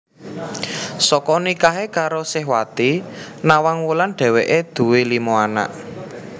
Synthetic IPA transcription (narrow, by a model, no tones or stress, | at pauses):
sɔkɔnikaɦekaɾosɪɦwat̪inawaŋwulanɖ̥ɛ̤weʔed̪̥ṳwelimoana̰ʔ